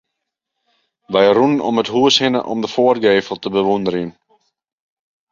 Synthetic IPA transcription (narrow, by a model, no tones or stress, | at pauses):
ʋɛjrunnɔ̰mətɦuəshɪnəʔɔ̰mdəfːərɡeːfəlˠtəbəʋundəɾiən